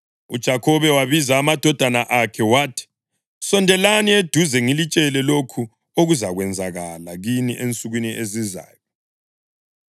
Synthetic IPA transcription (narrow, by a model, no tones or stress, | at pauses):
ud̥ʒ̥ʱakʰɔβɛwaβizaːmad̥ʱɔd̥ʱanaʔakʰɛwatʰi̥ | sɔndʱɛlanied̥ʱuzɛŋilit͡ʃʼɛlɛlokʰu | oɣuzaɣwɛnd͡zʱaɣalaɣiniʔent͡sʼuɣwiniʔeziza̰ːjɔ